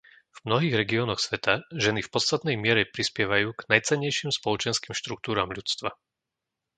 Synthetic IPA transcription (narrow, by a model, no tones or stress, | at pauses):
v̥mnɔɦiːɣɾɛɡiɔːnɔxsʋɛt̪aʒɛnifpɔt͡st̪at̪nɛjmɪɛɾɛpɾispɪɛʋajuːɡ̥najt͡sɛɲːɛjʃiːmspɔlɔt͡ʃɛnskiːmʃt̪ɾuk̚t̪uːɾaːmʎut͡st̪ʋa